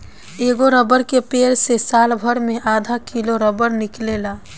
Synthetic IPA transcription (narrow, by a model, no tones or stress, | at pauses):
eɡoɾəbəɾkepeɾsesalbʱəɾmeʔad̪ʱakiloɾəbəɾniklela